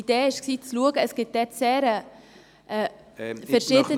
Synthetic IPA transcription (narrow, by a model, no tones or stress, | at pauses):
id̥eːɪʃksiːt͡sluəɡəːsɡ̥ɪt̚d̥ɛtseːɾə | ʔɛ | fɛɾʃɪdə